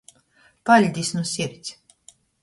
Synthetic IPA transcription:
palʲd̪ʲisnusiɾt͡sʲ

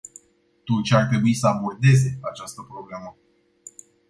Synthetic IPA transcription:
t̪ut͡ʃeart̪ɾe̞buisəabo̞rd̪e̞ze̞at͡ʃast̪əpɾo̞ble̞mə

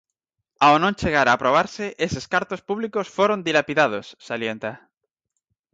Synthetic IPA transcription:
awnõnt͡ʃe̞ɣaɾaːpɾo̞β̞aɾse̞ʔese̞skaɾt̪o̞spuβliko̞sfwoɾo̞nd̪ilapiðað̞o̞sːalje̞nt̪a

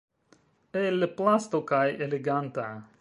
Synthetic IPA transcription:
elplast̪okajeleɡant̪a

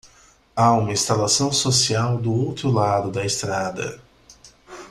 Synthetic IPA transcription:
aũmɐĩst̪alasɐ̃w̃sosiawd̪ʊowt̪ɾʊlad̪ʊd̪ɐest̪ɾad̪ɐ̰

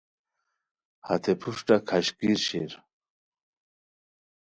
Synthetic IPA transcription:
hɐt̪ʰepʰuʂʈakʰaɕkiɾɕeɾ

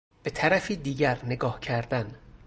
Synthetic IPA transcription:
b̥e̞t̪ʰæɾæfiːd̪iːɟæɾne̞ɡɒːhcʰæɾd̪æn

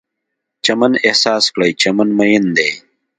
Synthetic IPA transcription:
t͡ɕɐmɐnehsaːskɽɐjt͡ɕɐmɐnmɐjind̪eː

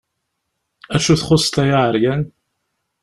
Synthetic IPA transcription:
æt͡ʃːuθχʊsˤt̪æjaʕəɾjæn

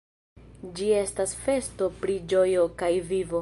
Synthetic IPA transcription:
d͡ʒie̞stasfe̞sto̞pɾid͡ʒo̞jo̞kajvivo̞

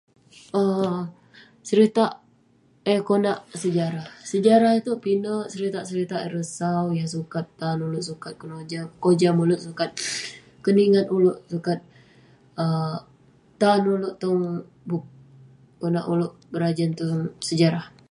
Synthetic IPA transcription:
ə | səɾit̪aʔ | əkonaʔsəd͡ʒaɾahsəd͡ʒaɾahit̪upinəʔsəɾit̪aʔsəɾit̪aʔəɾəsawjasukat̪ːanulʊʔsukat̪̚kənod͡ʒakod͡ʒamulʊʔsukat̪̚ | kəniŋat̪̚ulʊʔsukat̪̚ | əː | anulʊʔt̪ɔŋ | buk̚ | konaʔulʊʔbəɾad͡ʒant̪uŋsəd͡ʒaɾah

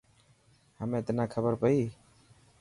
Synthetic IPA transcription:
həmẽt̪nakʰəbəɾpəi

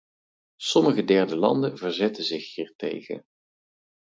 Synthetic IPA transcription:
sɔməχədɛɹdəlɑ̰ndənvəɹzɛtəzɪχhiːɹtḛjχə̰n

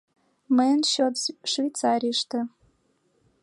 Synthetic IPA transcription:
məjənɕot̪ʃvʲejt͡sɑɾʲiʃt̪ə̆

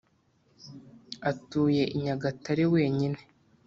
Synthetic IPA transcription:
atuːje̞ʔiɲaɡataɾiwe̞ːɲine

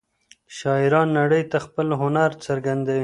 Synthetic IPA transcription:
ʃɑɪɾɑnːaɽəjt̪axpəlɦʊnaɾt͡səɾɡand̪awi

